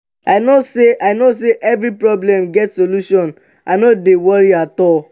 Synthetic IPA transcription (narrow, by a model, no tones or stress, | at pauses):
aɪnoseʔaɪnos̬eʔɛvɾipɹɔblɛ̃mɡɛtsoluʃɔ̃n | anodewɔɾiatɔl